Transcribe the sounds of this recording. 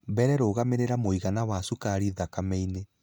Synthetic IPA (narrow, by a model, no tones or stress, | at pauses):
bɛɾɛɾoːɣameɾeɾamoiɣanawasukaɾiðakamɛine